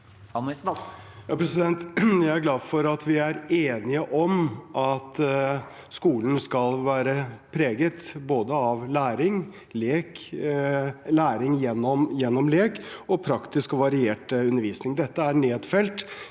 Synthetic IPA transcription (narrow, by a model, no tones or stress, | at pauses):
jɑpʰɾɛsɪd̪ɛnt̪jæɪæɾɡlɑːd̪fɔɾɑt̪ʰʋɪæɾeːnɪəʔɔmʔɑt̪ | skuːlən̩skɑlʋæːɾəpʰɾeːɡət̪boːd̪əɑʋlæːɾɪŋ | leːk | læːɾɪŋjɛnːɔmjɛnːɔmleːkɔpʰɾɑkt̪ɪskɔʋɑɾɪeːʈʉnːəɾʋiːsnɪŋd̪ɛt̪ːəæɳeːd̪fɛlt̪